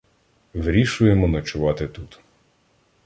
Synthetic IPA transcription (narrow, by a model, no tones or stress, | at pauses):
ʋɾʲiʃʊjemɔnɐt͡ʃʊʋɑt̪ɪt̪ut̪